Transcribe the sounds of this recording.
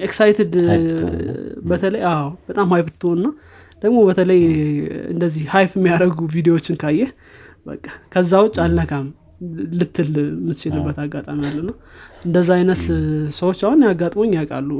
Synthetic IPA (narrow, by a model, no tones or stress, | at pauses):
eksajt̪ʰɪd̪ | bət̪ʰələjawb̥ət̪ʼamhajft̪ʰːɨhonɨnːa | d̪̥əɡmo̞bət̪ʰələjɨ̰nd̪əzːihhajfɪmːijaɾəɡuvid̪ejoot͡ʃːɪnkʰajːɛ | bə̰kʼːakʰəzːawʊt͡ʃʼːalnəkʰʼam | lɨt̪ʰːɨlmɨt̪ɨt͡ʃɪlɨbːət̪aɡːat̪ʼamijalːənəwʔɨnd̪əzːaajnət̪səwot͡ʃːahʊnjaɡːat̪ʼmo̞ɲːjakʼa̰lːu